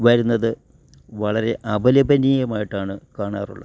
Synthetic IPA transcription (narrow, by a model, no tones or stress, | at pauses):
ʋɐɾunːɐðɨ | ʋɐɭɐɾe̞ʔɐbɐlɐbɐniːjɐmaːjiʈːaːɳɨkaːɳaːrṵɭːɐ